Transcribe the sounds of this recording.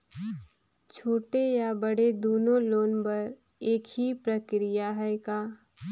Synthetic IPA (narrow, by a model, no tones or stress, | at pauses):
t͡ʃʰoːʈejabɐɽed̪oːnõloːnpɐɾ | eːkɦipɾəkɾɪjaɦɛkaː